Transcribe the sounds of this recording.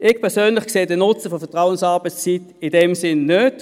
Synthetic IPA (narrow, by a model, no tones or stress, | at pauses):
ʔɪɡpʰɛɐsøːnlɪχkseːdənʊt͡səfɔfɛɐtʁaʊənsɑɐbət͡st͡sit | ɪdɛmsɪnːød